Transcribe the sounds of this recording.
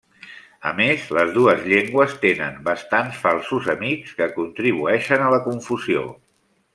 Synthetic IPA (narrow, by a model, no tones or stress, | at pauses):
ə̰mezləzðuəzʎeŋɡwəst̪enə̰mbəst̪ansfalˠsuzəmikskəkunt̪ɾiβ̞uɛʃənələkuɱfuzio̰